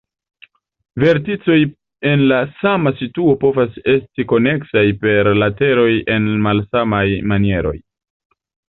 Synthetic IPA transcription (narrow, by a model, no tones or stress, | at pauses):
ve̞ɾtit͡so̞j | e̞nlasamasituo̞po̞vase̞stiko̞ne̞ksajpe̞ɾlate̞ɾo̞je̞nmalsamajmanie̞ɾo̞̰j